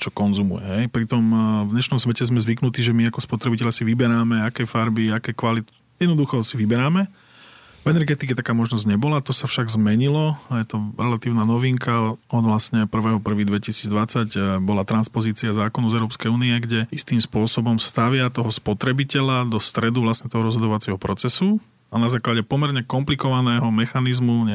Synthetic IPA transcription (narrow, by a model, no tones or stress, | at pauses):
t͡ʃɔkɔnzumṵjɛ̰ɦɛjpɾit̪ɔmvɲɛʃnɔmsʋɛcɛzmɛzʋiknut̪iːʒɛmiakɔspɔt̪ɾɛbicɛʎasiʋibɛɾaːmɛakɛjfaɾbiakɛjkʋalit̪ | jɛd̪nɔd̪uxɔsiʋibɛɾaːmɛ | vɛnɛɾɡɛt̪ikɛt̪akaːmɔʒnɔzɟɲɛbɔlat̪ɔsafʃaɡzmɛɲilɔajɛt̪ɔɾɛlat̪iːʊnaːnɔʋiŋkaɔd̪ʋlasɲɛpr̩ʋɛːɦɔpr̩ʋiːd̪ʋɛcisiːd͡zd̪ʋat͡saɟbɔlat̪ɾanspɔziːt͡siazaːkɔnɔʊzɛʊɾɔːpskɛjuːniɛɡɟɛist̪iːmspʊɔsɔbɔmst̪aʋɪat̪ɔɦɔspɔt̪ɾɛbicɛlad̪ɔst̪ɾɛd̪uʋlasɲɛt̪ɔɦɔɾɔzɦɔd̪ɔʋat͡siɛɦɔpɾɔt͡sɛsu | anazaːklaɟɛpɔmɛɾɲɛkɔmplikɔʋanɛːɦɔmɛxanizmuɲɛ